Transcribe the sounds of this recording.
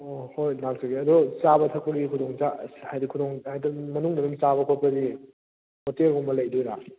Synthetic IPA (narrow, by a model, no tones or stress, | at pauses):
ɔhojnaŋ̚saɡiɐdut͡ʃabɐtʰɐk̚pɐɡikʰudoŋt͡ʃahajdikʰudoŋhajdɐmɐnuŋdɐnumt͡ʃabɐkʰot̚pɐdi | hotelɦɔŋmɐlɐjdojɾa